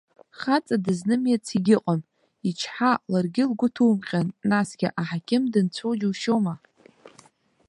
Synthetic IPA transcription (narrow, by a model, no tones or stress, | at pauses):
χat͡sʼadɨznɨmjat͡sʰiɡʲɪqʼam | it͡ʃʰħalarɡʲɪlɡʷʊtʰuːmqʲʼanːasɡʲɪʔaħakʲʰʼɪmdɨnt͡sʷʰowd͡ʒwʃoma